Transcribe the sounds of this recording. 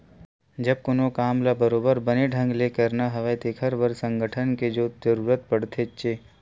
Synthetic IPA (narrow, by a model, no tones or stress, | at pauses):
d͡ʒɐb̚kʊnõkaːmlabəɾoːbəɾbəneɖʱə̃ŋɡleːkəɾnaɦɐʋet̪ekʰəɾʋəɾsə̃ŋɡəʈʰənked͡ʒoːd͡ʒəɾuːɾət̪̚pɐɽt̪ʰet͡ʃeː